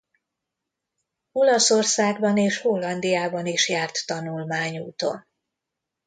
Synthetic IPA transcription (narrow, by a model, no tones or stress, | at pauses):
o̞lɒso̞rsaːɡbɒneːʃho̞lːɒnd̪ijaːbɒniʃjaːrt̪ːɒnulmaːɲuːt̪o̞̰n